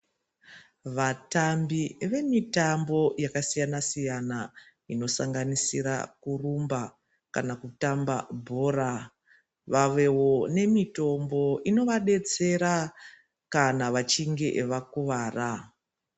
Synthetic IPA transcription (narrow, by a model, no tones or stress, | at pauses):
ʋatambiʋe̞mitambo̞jakasijanasijana | ino̞saŋɡanisiɾa̰kurumba | ka̰nakutamba̰bʱo̞ːra | ʋaʋewo̞ne̞mito̞mbo̞ʔino̞ʋaɗe̞t͡se̞ɾa | kanaʋat͡ʃiŋɡe̞ʔʋakuʋaːra